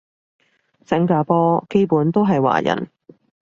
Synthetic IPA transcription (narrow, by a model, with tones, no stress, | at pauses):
sɪ˥ŋkaː˧pɔː˥ke˥jpuː˨˥nt̪o˥wɦɐ˨jwa̰ː˨˩jɐ̰˨˩n